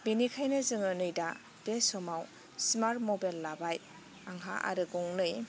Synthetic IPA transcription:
binikʰajnɯzɯŋɯnɯjda | d̥esɔmaw | smaɾtmɔbajlːabaj | aŋɦa̰ʔa̰ɾɯɡɔŋlɯj

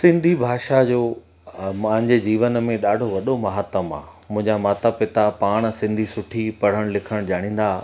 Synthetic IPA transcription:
sɪ̃nd̪ʱibʱaːʃad͡ʑoː | mãɦɪ̃ɲd͡ʑed͡ʑiːʋənəmẽɗaːɖʱoʋɐɗomɐɦaːt̪əma̰ː | mʊ̃ɦɪ̃ɲd͡ʑamaːt̪apɪt̪apaːɽ̃̆sɪ̃nd̪ʱisʊʈʰipɐɽ̤əɽ̃lɪkʰəɽ̃ʄaːɽ̃ĩːn̆d̪aː

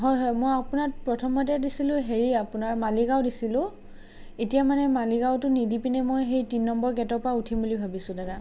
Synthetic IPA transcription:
ɦɔjɦɔjmojapʊnat̚pɹɔtʰɔmɔt̬ɛdisilʊ̃ɦeɹiapʊnaɹmaliɡawdisilʊ̃ | etijamanɛmaliɡawtʊnidipinɛmojɦejtinːɔmbɔɹɡɛtɔpɹautʰimbulibʱabisʊ̃dada

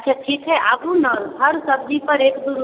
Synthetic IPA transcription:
kʰɛt̪ʰikʰɦɛʔabunənɦəɾsəb̚d̪ipəɾekd̪uɾ

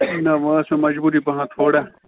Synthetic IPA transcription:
naʋə̃sẽmɐd͡ʒbuːɾipɐɦãːt̪ʰoːɽaː

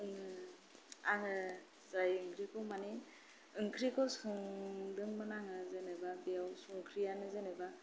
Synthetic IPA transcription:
aŋɯ | sajɯŋkʰɾikʰɯwmani | ɯŋkʰɾikʰɔwsɔŋdɯŋmanaŋɯzɯnababijawsɔŋkʰɾijanɯzɯneba

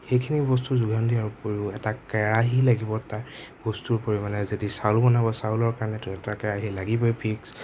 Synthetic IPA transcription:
xejkʰinibɔstuzuɡʱandijaɹupoɹiʊɛtakɛɹaɦilaɡibɔtab̥ɔstuɹpoɹimanɛzodisawlbɔnabɔsawlɔɹkaɹɔnɛtɔɛtakɛɹaɦilaɡibɔjpʰiks

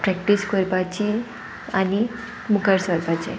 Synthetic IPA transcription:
pɾɛkʈiskoɾpat͡ɕi | ani | mukəɾsʋəɾpat͡ɕḛ

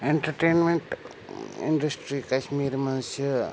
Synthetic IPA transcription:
eɳʈɐɾʈeːnmeɳʈ | ḭɳɖɐsʈɾikɐʃmiːɾmɐnusjɐ

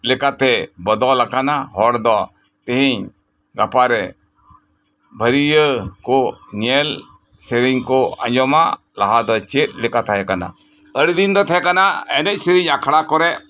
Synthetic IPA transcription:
lɛkat̪ɛbɔd̪ɔlakanaɦɔɾd̪ɔ | t̪ɛɦiɲ | ɡapaɾɛ | bʱəɾijəkɔnijɛl | siɾiɲkɔã̰ɲd͡ʒɔma̰ | laɦad̪ɔt͡ʃet̪̚ˀlɛkat̪ʰaɦɛkana̰ | əɽd̪ind̪ɔt̪ʰɛɛkanaɛ̰nɛc̚ˀsiɾiɲakʰɽakɔɾɛʔ

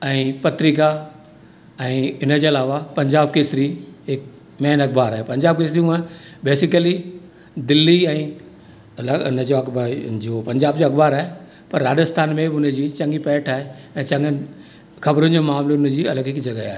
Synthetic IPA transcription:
ɛ̃ːpɐt̪ɾika | ɛ̃ːɪnəd͡ʑeːɐlaːʋapɐ̃ɲd͡ʑaːb̚keːsɪɾiɦɪk̚ | mɛːnɐkbaːɾaːɦepɐ̃ɲd͡ʑaːb̚keːs̬ɾiũaːbeːsɪkəli | d̪ɪlːiɛ̃ː | lɐʊnəd͡ʑoɐkbad͡ʑopɐ̃ɲd͡ʑaːbd͡ʑoɐkbaːɾaːɦe | pɐɾːaːdəst̪ʰaːnmẽʊnəd͡ʑiːt͡ɕɐ̃ŋɡipɛːʈʰaːɦe | ɛ̃ːt͡ɕɐ̃ŋɡən | xɐbɾʊnɪ̆d͡ʑoːmaːmlʊnəd͡ʑiːɐləɡɦɪkd͡ʑɐɡaaːɦe

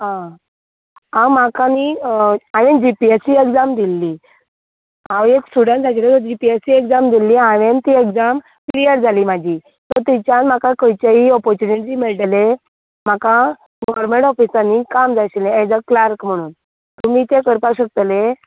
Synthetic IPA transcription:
ɦã | awmakaniaʋẽnd͡ʑipiesiekd͡zamd̪ilːi | ãweksuɽãnd͡zat͡ɕlet̪ɔɾd͡ʑipiesiekd͡zamd̪ilːiaʋent̪iekd͡zam | klijəɾd͡zʱaliːmad͡ʑʱiː | t̪əɾt̪it͡ɕjanm̤akãkəjt͡ɕaɦiɔpɔɾt͡ɕuniʈɾiːmiɭʈle | m̤aka | ɡɔʋɾmeɳʈɔfisanikamd͡zaɕlẽed͡zəklaɾkm̤əɽ̃uːn | t̪umiːt̪ekəɾpaɕək̚t̪le

